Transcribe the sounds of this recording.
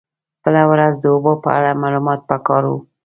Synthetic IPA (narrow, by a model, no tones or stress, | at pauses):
b̥əlawɾazd̪əobopə̰a̰ɽamɑlumɑt̪̚pəkɑɾwu